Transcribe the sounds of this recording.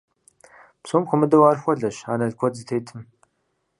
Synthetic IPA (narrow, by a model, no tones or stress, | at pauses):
psuːmxʷʊmɨdɐwaːrxʷɔɮɐɕanɐɮkʷʰɔd͡zɨtʰeːtʰɨm